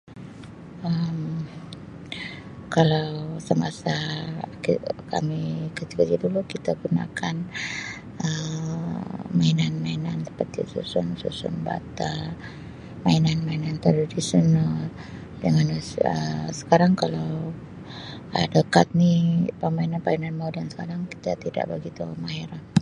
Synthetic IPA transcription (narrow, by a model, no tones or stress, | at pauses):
ʔəm | kalawsəmasakika̰mikət̪ikad͡ʒadulukit̪aɡuna̰kʰan | ə | mainanmainansə̥pərt̪ḭsṵsʊnsṵsʊ̰nba̰t̪a | mainanmainant̪ɾaadisiɔnal | dəŋanə̰sə̥kaɾaŋkalaw | ʔa̰dəkat̪̚nipəmainanpainanmaudansə̥kaɾaŋki̥t̪at̪ida̰ʔbəɡit̪umaɦɛɾa